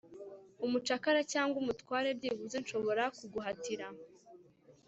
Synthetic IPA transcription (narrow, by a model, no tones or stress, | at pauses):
umut͡ʃakaɾacaːŋɡumutwaːɾe̞bɟiːβuzenʃo̞βo̞ɾakuɡuɦatiɾa